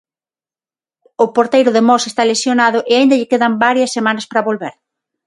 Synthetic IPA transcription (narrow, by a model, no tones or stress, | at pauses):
ʊpoɾt̪ejɾʊðemɔsest̪alesjonaðʊʔeaĩnd̪ɐʎɪkeðɐmbaɾjɐsːemanɐspɾɐβolβeɾ